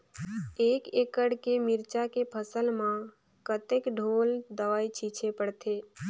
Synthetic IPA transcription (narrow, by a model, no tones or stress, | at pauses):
eːkeːkəɽkemɪɾt͡ʃakepʰəsəlmã | kət̪ekɖʱoːld̪əʋaːit͡ʃʰiːt͡ʃʰepəɽt̪ʰeː